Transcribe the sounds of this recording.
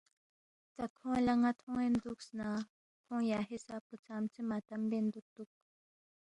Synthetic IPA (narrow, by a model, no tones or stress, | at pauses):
t͡sakʰõlaŋat̪ʰoŋend̪uksna | k̪ʰoŋjaɦesapʊt͡samt͡simat̪ambend̪ut̪ːuk̚